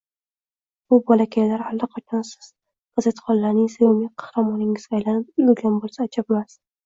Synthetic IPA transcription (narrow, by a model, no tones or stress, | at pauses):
bʊbɒlakʲʰajlaɾhalːɑqʰat͡ʃʰɒnsɪ̥z̥ | qɨzat̪χɒnlaɾnɪŋsajomiqʰɑ̥hɾamɒnɪŋɪzɡʲajlanɪp̚jlɡʲanbolˠsaːt͡ʃʰabmas